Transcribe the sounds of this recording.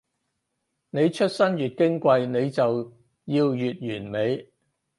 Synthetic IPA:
ne˨˧jt͡ʃʰɵ˥t̚sɐ˥njyː˨˩t̚kɪ˥ŋkʷɐ˧jne˨˧jt͡sɐ˨w | jiː˧wjyː˨t̚jyː˨˩nme˨˧j

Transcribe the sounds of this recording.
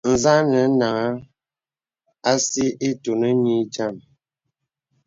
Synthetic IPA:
n̩˨za˦nə˨˦na˨ŋa˦ | a˦si˦ʔe˦to˨nə˦ɲi˦d͡ʒa˦˨m

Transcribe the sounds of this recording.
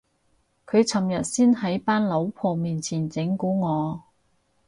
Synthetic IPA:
kʰɵ˨˧ɥt͡sʰɐ˨˩mjɐ˨t̚siː˥nɦɐ˨˥jpaː˥nlo˨˧˥wpʰɔː˨miː˨nt͡sʰiː˨˩nt͡sɪ˨˥ŋkuː˨˥ŋɔː˨˧

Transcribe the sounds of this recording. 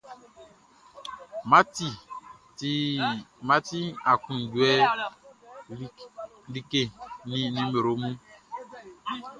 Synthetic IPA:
ma˦ti˦˨˦ | ma˦ti˦a˨kũ˨n˨du˨ɛ˦ | li˦ke˦˨nĩ˦nĩ˦me˨ɾo˨˦mũ˦

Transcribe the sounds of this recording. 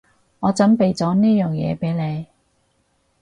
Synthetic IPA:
ŋɔː˨˧t͡sɐ˨˥npe˨jt͡sɔː˨˥niː˥jœː˨ŋjɛ̰ː˨˧pe˨˥jle˨˧j

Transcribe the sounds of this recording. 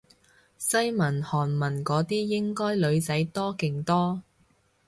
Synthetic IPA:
sɐ˥jmɐ˨˩nhɔː˨˩nmɐ˨˩nkɔː˨˥t̪iː˥jɪ˥ŋkɔː˥jlɵ˨˧ɥt͡sɐ˨˥jt̪ɔː˥kɪ˨ŋt̪ɔː˥

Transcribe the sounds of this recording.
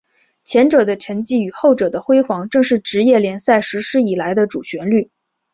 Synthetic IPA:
t͡ɕʰjɛ˧˥nʈ͡ʂɤ˨˩d̪ə˦ʈ͡ʂʰə˧˥ŋt͡ɕi˥˩y˨˩xo˥˩ʊʈ͡ʂɤ˨˩d̪ə˦xwe˥ɪxwɑ˧˥ŋʈ͡ʂɤ˥˧ŋʂɻ̩˥˩ʈ͡ʂɻ̩˧˥jɛ˥˩ljɛ˧˥nsa˥˩ɪʂɻ̩˧˥ʂɻ̩˥i˨˩la˧˥ɪd̪ə˧ʈ͡ʂu˨˩ɕɥɛ˧˥nly˥˩

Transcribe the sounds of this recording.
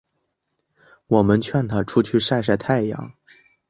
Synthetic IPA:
wɔ˨˩mə˧˦nt͡ɕʰɥɛ˥˩nt̪ʰa˥˩ʈ͡ʂʰu˥t͡ɕʰy˥˧ʂa˥˧ɪʂ̬a˥˧ɪt̪ʰa˥˩ɪjɑ̰˧˥˦ŋ

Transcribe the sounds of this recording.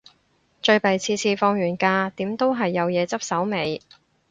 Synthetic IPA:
t͡ʃɵ˧ɥpɐ˨jt͡sʰiː˧t͡sʰiː˧fɔː˧ŋɥyː˨˩nkaː˧t̪iː˨˥mt̪o˥wɦɐ˨jːɐ˨˧wjɛː˨˧t͡sɐ˥p̚sɐ˨˥wme˨˧j

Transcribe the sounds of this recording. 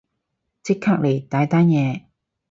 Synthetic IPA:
t͡sɪ˥kʰːaː˥k̚le˨˩jt̪aː˨˧˥jt̪a˥njɛː˧

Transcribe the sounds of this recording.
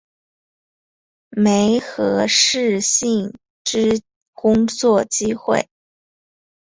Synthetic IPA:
me˧˥ɪxɤ˧˥ʂɻ̩˥˧ɕi˥˩ŋ | ʈ͡ʂɻ̩˥ | kʊ˥ŋt͡swɔ˥˩t͡ɕi˥xwḛ˥˩ɪ

